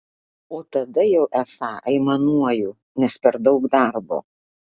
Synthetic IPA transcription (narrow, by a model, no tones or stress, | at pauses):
oːt̪ɐd̪ɐjɛʊʔæsɑːʔɐɪmɐnuɔjʊ | nʲɛspʲɛɾd̪ɐʊkd̪ɑɾbo̰ː